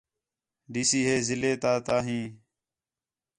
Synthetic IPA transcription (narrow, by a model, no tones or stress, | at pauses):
ɖiːsiːɦeːzɪleːt̪aːt̪aːɦĩː